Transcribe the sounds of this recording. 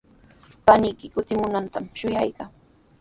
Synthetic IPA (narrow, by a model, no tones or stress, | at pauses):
panɪjkɪkʊt̪ɪmʊnant̪amʃʊjajkaŋ